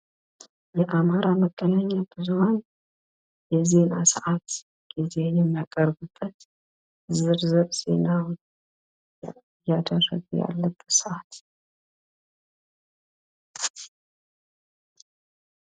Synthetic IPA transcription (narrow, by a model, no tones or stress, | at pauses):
jɛʔamaɾaməɡ̥ːənaɲːabɨzuhan | jɛze̞nasəʔat̪ | ɡ̥ize̞jɛmːijakʼəɾbɨbːət̪ | zɨɾzɨɾz̥e̞naw | jad̪əɾə̰ɡṵja̰lːəbːət̪səʔat̪